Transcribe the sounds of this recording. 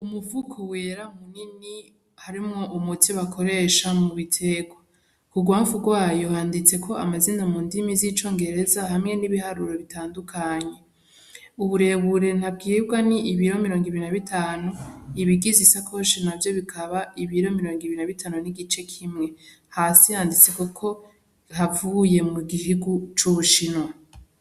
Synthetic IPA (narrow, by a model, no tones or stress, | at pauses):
umuvukʰoweɾam̥unini | haɾimŋoʔumutʰiβakʰo̞ɾe̞ʃamuβitʰe̞ɡwa | kuɡwaːɱfuɡwaːjo̞haːndit͡se̞kʰo̞amazindamuːndimizit͡ʃo̞ːŋɡe̞ɾe̞zaɦamŋe̞niβihaɾuɾo̞βitaːndukʰaːɲe̞ | uβuɾe̞βuɾe̞n̥hab̚ɡiːbɡwaniiβiɾo̞miɾo̞ːŋɡiβiɾinaβitʰaːnuiβiɡizisakʰo̞ʃinavjo̞βikʰaβaiβiɾo̞miɾo̞ːŋɡiβiɾinaβitʰaːnuniɡit͡ʃe̞kʰimŋe̞ | haːsihaːndit͡se̞kukʰo̞ | ɦavuje̞muɡiɦiɡut͡ʃuʃino